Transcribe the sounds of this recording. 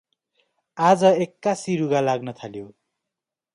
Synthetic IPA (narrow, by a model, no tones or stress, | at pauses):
ad͡zʌekːasiɾuɡalaɡnʌt̪ʰaljo